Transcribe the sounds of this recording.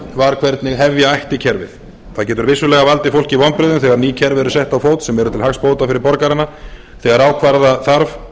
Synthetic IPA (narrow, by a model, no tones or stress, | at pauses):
vaɾ̥kʰv̥ɛɾt̪nɪɣɦɛvjaajht̪ɪcʰɛɾvɪ̰θ | θaðcɛːt̪ʏɾvɪsːʏlɛɣavalt̪ɪfowlcɪivɔmpɾɪðʏmθɛɣaɾniːcʰɛɾvɪɾʏsɛht̪awfoːwt̪sɛmɛɾʏt̪ʰɪlhaxspoːwt̪afɪɾɪɾpɔɾkaɾɪnːa | θɛɣaɾaːwkʰvaɾðaθaɾv